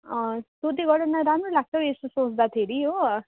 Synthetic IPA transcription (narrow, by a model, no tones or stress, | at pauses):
ʌ̃st̪ot̪iɡʌɽʌnaɾamrolaɡ̚t͡sʰʌwesosõt͡sd̪at̪ʰeɾiɦo